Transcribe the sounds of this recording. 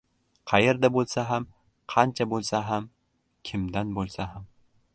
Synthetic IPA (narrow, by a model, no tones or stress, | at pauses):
qʰɑjeɾd̪abolˠsaɦam | qʰɑnt͡ʃʰabolˠsaɦam | kʲʰɪmd̪anbolˠsaɦam